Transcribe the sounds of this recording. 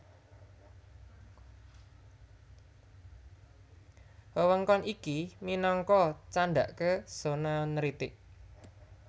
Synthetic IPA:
wəwəŋkɔnikiminɔŋkɔt͡ʃaɳɖ̪aʔkəsonɔnəɾit̪ɪʔ

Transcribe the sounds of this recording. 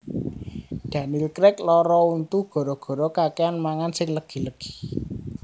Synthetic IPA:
d̪̥ä̤nilkɾɪk̚lɔɾɔunt̪uɡ̥ɔ̤ɾɔɡ̥ɔ̤ɾɔkakeanmaŋansɪŋləɡ̥i̤ləɡ̥i̥

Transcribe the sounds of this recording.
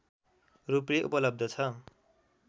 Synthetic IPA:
rupreʔṵpʌlʌb̚d̪ʱʌt͡sʰʌ

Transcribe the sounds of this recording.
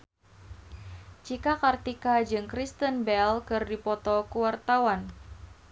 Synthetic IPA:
t͡ʃikakart̪ikad͡ʒɨŋkɾist̪ənbɛlkɨrdipɔt̪ɔkuwart̪awan

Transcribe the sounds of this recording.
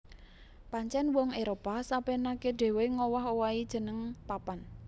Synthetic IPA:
paɲt͡ʃɛnwɔŋeɾopasapenakeɖ̥e̤weŋɔwɔɦowaid̥ʒ̥ə̤nəŋpapan

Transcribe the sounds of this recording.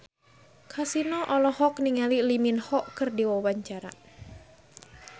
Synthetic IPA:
kʰasinɔʔɔlɔhɔkniŋaliliminhɔʔkɨrdiwɔwaɲt͡ʃaɾa̰

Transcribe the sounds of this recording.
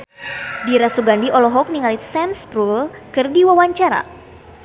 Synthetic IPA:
diɾasuɡandiʔɔlɔɦɔk̚niŋalisɛmspɾulkɨrdiwawaɲt͡ʃaɾa̰

